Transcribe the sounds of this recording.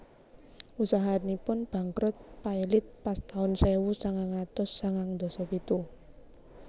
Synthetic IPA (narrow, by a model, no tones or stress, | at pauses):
usaɦanipʊnb̥ä̤ŋkɾʊt̪̚pailɪt̪̚past̪aʊnsɛwusaŋaŋat̪ɔsːaŋaŋd̪ɔ̤sɔpit̪u